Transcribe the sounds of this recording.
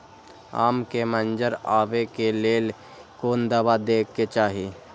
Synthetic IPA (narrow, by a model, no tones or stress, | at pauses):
a̰ːmkemənd͡ʒəɾaːʋekeleːl | koːnd̪əbad̪eːkːet͡ʃaːɦiː